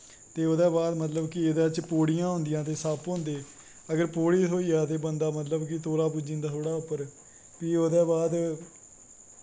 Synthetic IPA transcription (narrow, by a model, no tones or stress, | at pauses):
t̪eːod̪ɛːbaːd̪mət̪ləbkɪed̪eːt͡ʃpoːɽijãːɦõnd̪ɪjãːt̪eːsaːpɦõːnd̪eː | əɡəɾpoːɽiːt̪ʰoːiːaːt̪eːbənd̪aːmət̪ləbkɪt̪oːlaːpuːd͡ʒĩːnd̪aːt̪ʰoːɽaːʊpːəɾ | piːoːd̪ɛːbaːd̪